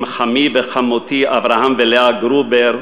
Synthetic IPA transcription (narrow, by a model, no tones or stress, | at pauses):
mχamivexamot̪iʔavɾahamveleaɡɾubeɾ